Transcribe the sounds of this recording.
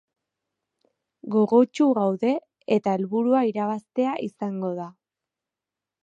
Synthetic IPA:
ɡo̞ɣo̞t͡ʃuɣawðe̞ | et̪ae̞lβuɾuaiɾaβast̪e̞aʔisaŋɡo̞ða

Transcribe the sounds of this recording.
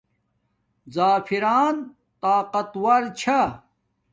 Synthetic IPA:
zaːfiɾaːn | t̪aːqɐt̪wɐɾt͡ɕʰa

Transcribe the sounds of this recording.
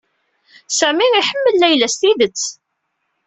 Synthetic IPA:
sæmiiħəmːəlːæjlæst̪iðət͡sː

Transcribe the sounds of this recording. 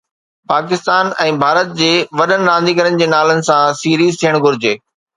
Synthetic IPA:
paːkɪst̪aːnɛ̃ːbʱaːɾət̪̚d͡ʑeːʋɐɗənɪ̆ɾãːn̆d̪ʱikəɾənɪ̆d͡ʑeːnaːlənɪ̆sãsiːɾiːzt̪ʰijəɽ̃ɡʱʊɾɪd͡ʑeː

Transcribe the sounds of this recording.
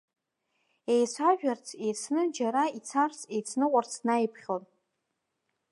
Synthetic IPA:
e̞jsʷaʒᶣart͡sʰejt͡sʰnɨd͡ʒaɾait͡sʰart͡sʰejt͡sʰnɨqʷʼart͡sʰnajpʰχʲon

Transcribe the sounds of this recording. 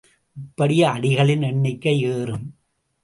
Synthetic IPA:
ɪpːɐɽɪjɐɐɽɪɣɐɭɪnɛɳːɪkːɐɪeːɾɯm

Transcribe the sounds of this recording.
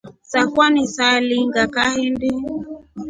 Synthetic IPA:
sakwanisaliŋɡakahinbi

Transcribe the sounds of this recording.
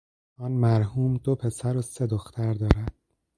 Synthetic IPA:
ɒːnmæɾhuːmd̪opʰe̞sæɾose̞d̪oxt̪ʰæɾd̪ɒːɾæd̪̥̚

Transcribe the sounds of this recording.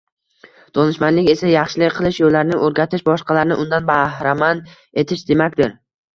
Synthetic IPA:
d̪̥ɒnɪʃmanlɪkʲe̞sajɑχʃɪlɪkʲqʰɨlˠɪʃjolːaɾnɪʔɵɾɡʲat̪ʰɪʃbɒʃqɑlaɾnɪʔʊnd̪anbahɾaman | e̞t̪ʰɪʃd̪e̞makʲd̪ɪɾ

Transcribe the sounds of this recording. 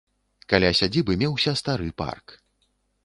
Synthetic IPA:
kalʲasʲad͡zʲibɨmʲɛwsʲɐst̪aɾɨpa̰rk

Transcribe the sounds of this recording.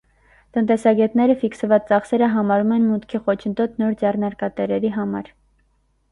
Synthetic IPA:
t̪ənt̪ɛsɑɡɛt̪nɛɾəfiksəvɑt͡st͡sɑχsɛɾəɦɑmɑɾumɛnmut̪kʰiχɔt͡ʃʰənd̪ɔt̪nɔɾd͡zɛrnɑɾkɑt̪ɛɾɛɾiɦɑmɑ̰ɾ

